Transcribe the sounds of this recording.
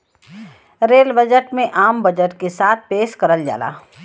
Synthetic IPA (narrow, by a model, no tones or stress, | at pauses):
ɾeːlbəd͡ʒəʈmẽʔaːmbɐd͡ʒəʈkesaːt̪̚ʰpeːʃkɐɾəld͡ʒa̰ːla̰ː